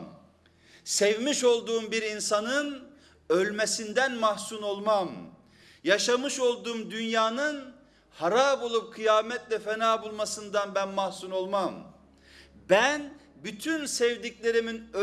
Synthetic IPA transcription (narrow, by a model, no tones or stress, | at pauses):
sɛvmiʃo̞lˠd̪uːmbiɾinsanɯn | ølʲmesind̪ænmahsuno̞lˠmam | jaʃamɯʃo̞lˠd̪uːmd̪ynjaːnɯn | haɾabo̞lˠup̚kʰɯjaːmɛt̪lʲɛfɛnaːbulˠmasɯnd̪anbænmahsuno̞lˠmam | bænbyt̪ʰynsɛvd̪icʲlʲe̞ɾiminø